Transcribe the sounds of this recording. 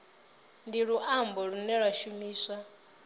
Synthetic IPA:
ndiɺuʔambɔɺunɛɺwaʃumiːsa

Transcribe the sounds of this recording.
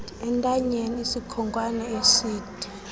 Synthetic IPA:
ɛntʼaɲeniisikʰɔŋkʼwanɛesiːd̥ʱi̥

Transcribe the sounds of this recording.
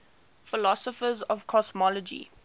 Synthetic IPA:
fɪlɔsɔfəzɔvkʰɔsmɔlɔd͡ʒḭ

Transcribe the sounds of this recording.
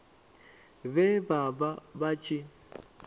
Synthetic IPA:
βɛbababat͡ʃʼi

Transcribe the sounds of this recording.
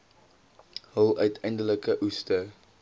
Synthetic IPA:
həlˠœɥtʰɛjndələkəʔustə

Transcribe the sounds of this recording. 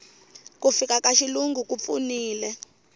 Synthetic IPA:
kufikakaʃiluŋɡukup̪fṵniːlɛ

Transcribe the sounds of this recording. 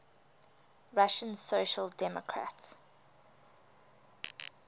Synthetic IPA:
ɹaʃə̃nsoʃəldɛmɔ̰kʰɹa̰ts

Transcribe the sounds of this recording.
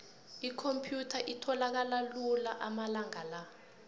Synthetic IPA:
ikʰompʰjutʰaʔitʰɔlak̬alalulaʔamalaŋala

